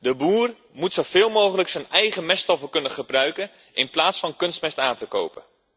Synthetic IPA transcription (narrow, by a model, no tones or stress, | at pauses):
dəbuːr | mutsov̥ɪːlˠmowχələksənɛjχəmɛstɔfəkɵnəχəbrœɥkən | ʔɪnplaːtsfɑnkɵnstmɛstaːntəko̰wpə̰